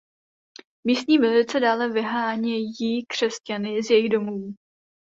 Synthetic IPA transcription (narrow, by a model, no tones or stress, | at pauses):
miːst̪ɲiːvɪlɪt͡sɛdaːlɛvɪɦaːɲɛjiːkr̝̥ɛscanɪzjɛjɪɣdo̞muː